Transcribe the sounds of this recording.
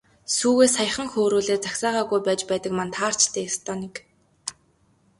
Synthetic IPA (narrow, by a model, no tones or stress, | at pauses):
suːɣeːsaj̆χə̆ŋxoːɾuːɮeːt͡saksaːʁaːɣujpæːt͡ɕpæːt̪ə̆kmant̪ʰaːr̥t͡ɕt̪ʰeːst̪ʰɔːnek